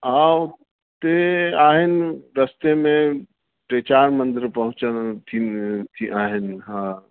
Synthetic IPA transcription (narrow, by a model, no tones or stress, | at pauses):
aw | t̪eaːɦɪnɾəst̪emẽ | pɾet͡ʃaːɾmə̃nd̪ɪɾpɐɦʊ̃t͡ʃənt̪ʰit̪ʰiʔaːɦɪnɦã